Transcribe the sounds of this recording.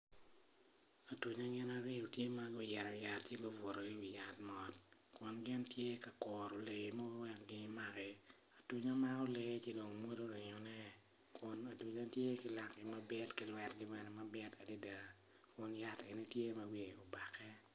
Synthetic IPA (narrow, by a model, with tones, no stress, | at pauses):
a˨tu˨ɲa˦ɡɪ˦na˦ɾɪ˦o˨tje˦ma˦ɡo˦jɛ˨ɾɔ˨ja˨tt͡ʃje˦bo˦vo˨ɾo˨ɡɪ˦i˨ja˨tmɔ˨tkʊ˨nɡɪ˦ntje˦ka˨kɔ˨ɾo˨le˨ɡe˨ma˦wɛ˦kɡɪ˦ma˦ɡɛ˨ | a˨tu˨ɲa˦ma˦o˦le˨˦ɡe˦t͡ʃe˦do˨ŋmo˦do˦ɾɪ˨ɲɔ˨nɛ˦ | kʰʊ˨na˨tu˨ɲa˦tje˦kɪ˨la˨kɡɪ˨ma˦bɪ˦tkɪ˨lwɛ˦tɡɪ˦mɛ˨nɛ˨ma˦bɪ˦ta˨di˦da˨ | kʊ˨nja˦te˨ni˦tje˦ma˦wi˨o˨ba˨kʰɛ˦